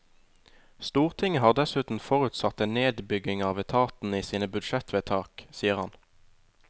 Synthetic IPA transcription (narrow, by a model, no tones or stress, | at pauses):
st̪uːʁt̪ʰɪŋəhɑːʁd̪ɛsʉːt̪n̩fɔʁʉt̪sɑt̪eːnneːd̪bʏɡɪŋɑːʋɛt̪ʰɑːt̪n̩iːsiːnəbʉd̪ʃɛt̪ʋeːt̪ʰɑːksiːəʁhɑn